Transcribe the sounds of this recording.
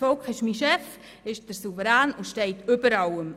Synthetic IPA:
fɔʊkχɪʃmiːʃɛf | ɪʃd̥əɾsuvəɾæːnʊnʃtɛɪtʏbəɾɑwəm

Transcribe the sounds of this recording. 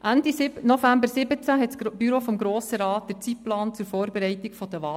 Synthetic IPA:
ʔændisɪnɔfæmbəɾsɪbət͡sæɦɛtsb̥yɾoːfɔmɡɾoːsəɾɑːtd̥əɾt͡siplɑːnt͡sʊɾfoːɾbɛɾɛɪtikfɔd̥̪əʋɑː

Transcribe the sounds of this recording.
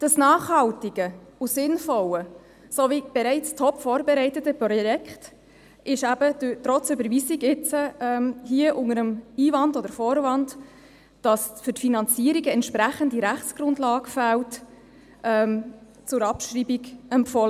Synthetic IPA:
d̥ɑsnɑːχhɑltiɡ̥ə | usɪnfɔlə | sovib̥ɛɾɛɪt͡stʰɔpfɔːɾbɛɾɛɪtətəprɔjɛkχt | ɪʃæb̥ətɾɔt͡sʏbəɾviziɡɪt͡səɛːmhiəʔʊŋəɾəmiːvɑndɔdəɾfoːɾvɑnd | d̥ɑsfʏɾtfinɑnt͡siːəɾiɡəɛntʃpɾæχəndiɾæχt͡sɡ̥rʊndlɑːɡəfælt | ʔɛːm | t͡sʊɾɑpʃriːbiɡɛmpfɔlə

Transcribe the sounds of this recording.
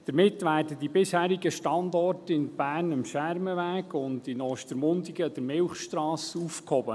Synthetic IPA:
d̪̥əɾmɪtːʋæːrdədibɪshæːɾiɡəʃtɑndɔrtɪnb̥æːrnəmʃæɾməʋæːɡʊndɪnɔːʃtəɾmʊndiɡəd̥̪ɾmɪlχʃtrɑːsufkhɔbə

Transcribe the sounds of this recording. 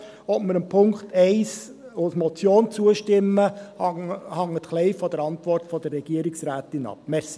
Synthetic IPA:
ʋɔtməɾəmpʰʊŋkχtʰɛɪs | osmɔt͡sjoːnt͡suəʃtɪmːə | hɑŋːət̪χlɛɪfɔdəɾɑntʋɔrtfɔd̥ərːɛɡ̥iəɾiksɾæːtɪnɑ̰p̚mɛɾsi

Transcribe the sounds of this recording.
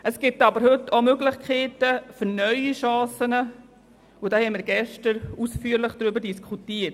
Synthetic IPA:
əsɡ̥ɪtɑbəɾhɵtʰːomøɡlɪχkχeːtəføɾnœʏiʃɑ̃ːsənə | udaːhɛmɪːɾɡɛʃtəɾusfyːəɾlɪχd̥ɾybəɾdiskʰχutiːət

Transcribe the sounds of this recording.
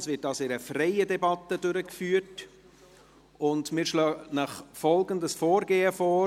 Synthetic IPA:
sʋɪtɑsɪɾəfrɛɪədɛbɑt̪ːədøɾəkfyːət | ʊndmɪːɾʃlœːnəχfɔlɡəndəsfɔːɾɡeːəfɔː

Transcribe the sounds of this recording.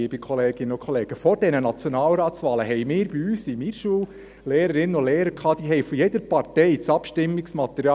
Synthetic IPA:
iːbikʰɔleːɡɪnːənʊkʰχɔleːɡ̥əfɔɾd̥ɛnənɑt͡sjɔnɑːlɾɑːt̪sʋɑːləɦɛɪmɪːɾb̥iyːsimiːɾʃuːl | leːɾəɾɪnːənʊleːɾəɾkʰɑːd̪̥iːɦɛjfɔjɛd̥̪əɾpɑɾtɛɪt͡sɑpʃtɪmːiksmɑt̪əɾjɑ

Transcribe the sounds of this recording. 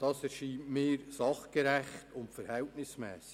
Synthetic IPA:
d̥ɑːsɛɾʃiːmɪːɾsɑχɡ̥eɾæχtʊntfəɾhɛltnɪsmɛːsɪ̥

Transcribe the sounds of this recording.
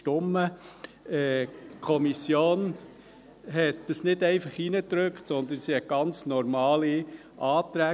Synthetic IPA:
tʊmːə | ɛkʰɔmisjoːn | ɦɛt̚dəsnɪdɛɪfɑχinət̪ɾøkχtsɔnd̪ənsihɛt̚ɡ̥ɑnt͡snɔɾmɑːli | ʔɑːt̪ɾæː

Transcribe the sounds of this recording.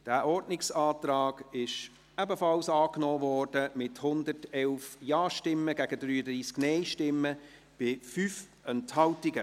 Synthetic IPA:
d̥æːʔɔɾdnɪksɑːtɾɑːɡ̥ɪʃ | ɛbəfɑlsɑːknɔːvɔːrd̥əmɪthʊndətɛlfjɑːʃtɪmːəɡæɡədɾyːədɾiːsknɛɪʃtɪmːə | b̥ɪfyːf | ɛnthɑltɪɡə

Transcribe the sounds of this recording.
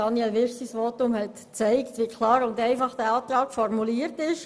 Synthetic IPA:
ɑnjɛlʋɪɾsisʋoːtʊmhɛt | t͡sɛɪktʋikʰlɑːɾʊndɛɪfɑχd̥æɑːt̪rɑːkfɔrmuliəɾtɪʃ

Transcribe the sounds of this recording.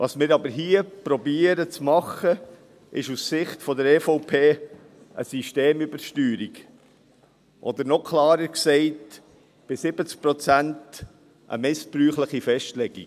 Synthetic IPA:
vɑːsmɪːɾɑbəɾɦiəpɾɔbiːəɾət͡smɑχə | ʔɪʃussɪχtfɔd̪əɾɛːfɔʊpʰeː | ʔə̰siʃteːmybəɾʃtyːɾiɡ | ʔɔd̪əɾnɔkʰlɑːɾəɾksɛɪt | b̥ɪsɪb̥ət͡sk̚pɾɔt͡sænt | ʔə̰mɪspɾyːχləχifɛʃtlɛɡḭɡ

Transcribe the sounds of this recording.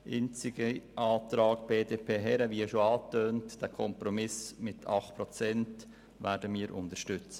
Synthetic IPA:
ʔɪ̰nt͡sɪɡəʔɑːt̪ɾɑːɡb̥eːdeːpʰeːɦɛɾəʋiɛʃoɑːtøːntd̥æːkʰɔmpɾɔmɪsmɪtʰɑχtpɾɔt͡sɛnt | væːɾdəmiːɾʔʊ̰ntəʃtʏt͡s

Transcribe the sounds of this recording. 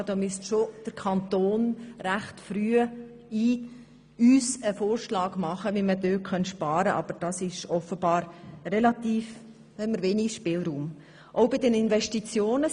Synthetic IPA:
d̥̪ɔːmyəstʃod̥əɾkʰɑnt̪oːnɾæχtfɾyːə | iː | yːsəfoːrʃlɑːɡ̥mɑχəʋimədøːtχœntʃpɑːɾəʔɑ̰b̥əɾd̥ɑsɪʃɔfəbɑːɾrɛlɑt̪iːf | hɛmːəɾʋeːniʃpɪlɾuːm | ʔɔʊbɪdɛnɪnvɛʃtit͡sjoːnə

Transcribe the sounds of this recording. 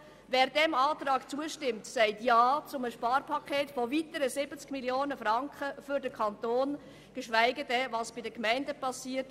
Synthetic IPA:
vɛːɾdɛmɑːt̪ɾɑːkt͡suəʃtɪmtsæɪtjɑːt͡sʊməʃpɑːɾpʰɑkʰeːtfovitəɾəsɪbət͡skmiljoːnəfrɑŋkχəfʏɾdəkʰɑntoːn | ɡ̥əʃʋæɪɡədɛvɑsb̥ɪdəkmæɪndəpɑsiːəɾt

